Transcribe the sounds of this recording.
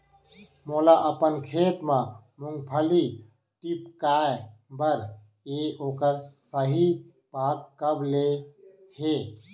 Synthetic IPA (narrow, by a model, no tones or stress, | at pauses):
moːlaʔəpənkʰeːt̪mã | muŋɡpʰəli | ʈipkaːebəɾ | eoːkəɾsəɦi | paːkːəbʱle | heː